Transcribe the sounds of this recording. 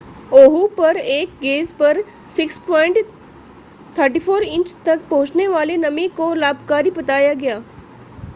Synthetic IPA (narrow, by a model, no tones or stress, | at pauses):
oːɦupɐɾeːk̚ɡeːzpɐɾ | sɪkspɔːɪ̃ɳʈ | t̪ʰəɾʈifoːɾɪ̃ɲt͡ʃt̪ɐk̚pɐ̃ɦʊt͡ʃneʋaːlenɐmikolaːbkaːɾibɐt̪aːjaɡɐjaː